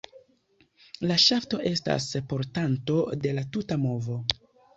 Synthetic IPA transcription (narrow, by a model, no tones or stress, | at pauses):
laʃafto̞ʔe̞sta̰spo̞ɾtanto̞de̞latutamo̞vo̞